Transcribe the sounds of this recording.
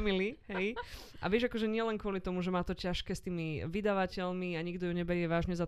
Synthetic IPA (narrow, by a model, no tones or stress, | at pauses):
miliɦɛj | ʔa̰ʋɪɛʒakɔʒɛɲɪɛlɛnkʊɔlit̪ɔmuʒɛmaːt̪ɔcaʃkɛːst̪iːmiʋid̪aʋacɛlmiaɲiɡd̪ɔjuɲɛbɛɾɪɛʋaːʒɲɛza